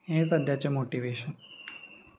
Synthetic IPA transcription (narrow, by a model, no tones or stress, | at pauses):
ẽsəd̪ʱjat͡ʃemoʈiʋeʃən